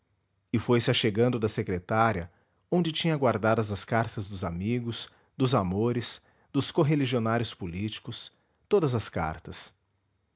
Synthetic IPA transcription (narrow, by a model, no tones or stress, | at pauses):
ɪfojsɪaʃeɡɐ̃nd̪ʊd̪ɐsekɾet̪aɾiɐ | õd͡ʒɪt͡ʃĩɲɐɡwaɾd̪ad̪ɐzɐskaɾt̪ɐzd̪ʊzamiɡʊs | d̪ʊzamoɾɪs | d̪ʊskoɦeliʒionaɾjʊspulit͡ʃi̥kʊs | t̪od̪ɐzɐska̰ɾt̪ɐs